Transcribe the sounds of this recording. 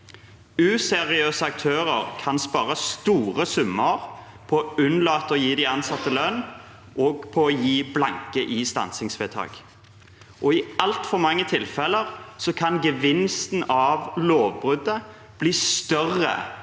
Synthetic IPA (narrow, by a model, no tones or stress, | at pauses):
ʉːsɛʁɪøːsəɑk̚t̪ʰøːʁəʁkʰɑnspɑːɾəst̪uːʁəsʉmːəʁ | pʰɔʉnlɑːt̪ɔjiːd̪ɪɑnsɑt̪ːəlœn | ʔɔːɡpʰɔɔjiːblɑŋkəʔɪst̪ɑ̰nsɪŋsʋɛt̪ʰɑ̰ːɡ̥ | ʔɔɪɑlt̪fɔʁmɑŋːət̪ʰɪlfɛləʁsɔkʰɑnɡəʋɪnst̪n̩ɑʋloːʋbʁʉd̪ə | b̥liːst̪œʁə̰